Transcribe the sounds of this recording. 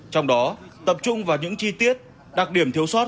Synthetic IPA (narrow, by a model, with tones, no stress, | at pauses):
t͡ɕɔ˧wŋ͡mɗɔ˨˦t̪ə˨˩p̚t͡ɕʊ˧ŋ͡mvaː˨˩ɲɨ̰˧˥ŋt͡ɕi˧t̪i˦˥ət̚ | ɗa˨˩k̚ɗi˧˩əmt̪ʰi˧˦əwsɔ˦˥t̚